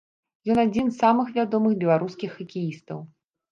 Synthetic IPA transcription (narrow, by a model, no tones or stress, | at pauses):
jɔnad͡zʲinsːamɨxvʲad̪ɔmɨxbʲɛlˠaɾuskʲixɐkʲijist̪ɐ̰w